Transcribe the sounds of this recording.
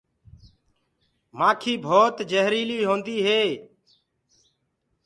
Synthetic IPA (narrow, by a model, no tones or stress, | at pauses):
maːkʰiːbʱoːt̪d͡ʒəɦɾiːliːɦõːnd̪iːɦeː